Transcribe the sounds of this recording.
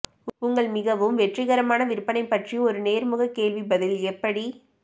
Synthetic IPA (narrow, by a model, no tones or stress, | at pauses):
ʊʊŋɡɐɭmɪɣɐʋɯmʋɛʈrɪɣɐɾɐmaːnɐʋɪɾɯpːɐnɐɪpːɐʈriɔɾɯneːɾmʊɣɐkːeːlʋibɐðɪlɛpːɐɽi